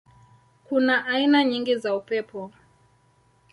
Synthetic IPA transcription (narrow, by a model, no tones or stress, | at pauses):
kunaʔainaɲiŋɡizaupɛpʰɔ